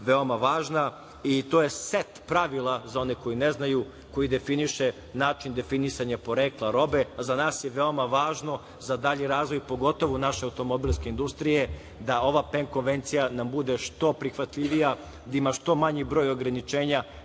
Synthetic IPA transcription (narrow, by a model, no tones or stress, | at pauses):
ʋeomaʋaːʒna | it̪oːjeset̪pɾaʋilˠazao̞neko̞jineznaju | ko̞jid̪efiniʃe | naːt͡ʃind̪e̞finisaɲapo̞ɾeːklˠaɾo̞beazanaːsjeʋeo̞maʋaːʒno̞ | zad̪aʎiɾaːzʋo̞jpo̞ɡo̞t̪o̞ʋunaʃeawt̪o̞mo̞bilˠske̞ind̪ust̪ɾije̞ | d̪ao̞ʋapeŋko̞nʋe̞nt̪sijanambud̪eʃt̪o̞pɾixʋat̪ʎiʋija | d̪aimaʃt̪o̞maɲibɾo̞ːjo̞ɡɾanit͡ʃeːɲa